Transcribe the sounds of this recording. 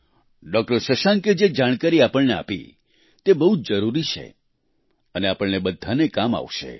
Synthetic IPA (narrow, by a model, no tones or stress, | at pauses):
ɖɔk̚ʈəɾʃəʃãŋked͡ʒed͡ʒaɽ̃kaɾiapəɭnea̰pḭ | t̪ebəɦud͡ʒəɾuɾit͡ʃʰḛ | əneapəɭnebəd̪ʱanekama̰ʋʃḛ